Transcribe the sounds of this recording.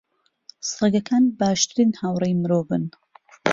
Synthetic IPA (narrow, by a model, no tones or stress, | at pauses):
sɨeɡɐkʰaːnbaːʃt̪ɨɾiːnhawrejmɨɾoːvɨ̰n